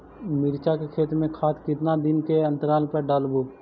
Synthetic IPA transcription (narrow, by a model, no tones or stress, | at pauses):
mɪɾt͡ʃakekʰeːt̪mẽkʰaːt̪ʰkɪt̪nad̪ɪnkeɐ̃nt̪əɾaːlpəɖaːlbʱoː